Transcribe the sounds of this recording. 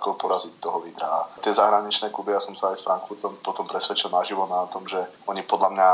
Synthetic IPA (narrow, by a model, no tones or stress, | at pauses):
kɔpɔɾazict̪ːɔɦɔliːd̪ɾaːt̪ɪɛzaɦɾaɲit͡ʃnɛːkubijasɔmsaajsfɾaŋkfuɾt̪ɔmpɔt̪ɔmpɾɛsʋɛt͡ʃilˠnaʒiʋɔnat̪ɔmʒɛ | ɔɲipɔd̪lamɲa